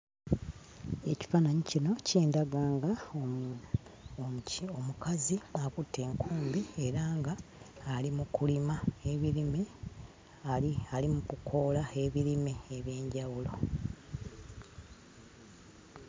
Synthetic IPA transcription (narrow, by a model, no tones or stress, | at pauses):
e̞ci̥fanaɲicino̞ceːndaɡaːŋɡa | o̞mukaziakutːe̞ːŋkʰuːmbie̞ɾaːŋɡaːlimukulimaeβiɾime | alimukukʰo̞ːlae̞βiɾimeːβje̞ːɲɟawulo̞